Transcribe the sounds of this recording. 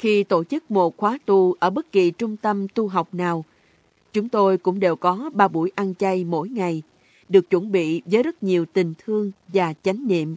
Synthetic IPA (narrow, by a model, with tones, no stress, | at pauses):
xi˧t̪o˧˩t͡ɕɨ˦˥k̚mo˨˩t̚xwaː˨˦t̪u˧˩ʔʔəː˧˩ɓə˦˥t̚ki˨˩t͡ɕʊ˧ŋ͡mt̪ə˧mt̪u˧ɦa˨˩wk͡p̚naː˨˩w | t͡ɕʊ˨˦ŋ͡mt̪o˧jkʊ̰˧˥ŋ͡mɗe˨˩wkɔ˨˦ɓaː˧ɓṵ˧˩əjʔa˧nt͡ɕa˧jmo̰˧˥jŋa˨˩j | ɗɨ˨˩ək̚t͡ɕwə̰˧˩nɓḭ˧˨vəː˨˦jzə˦˥t̚ɲi˨˩əwt̪ï˨˩ŋ̟t̪ʰɨ˧əŋvaː˨˩t͡ɕa˨˦jŋ̟nḭ˧˨əm